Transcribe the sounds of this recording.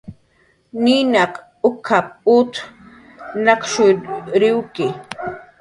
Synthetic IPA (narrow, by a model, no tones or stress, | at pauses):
ninaq | ʊkʰap̚ʊt̪ | nɑqʃʊɾɪwkɪ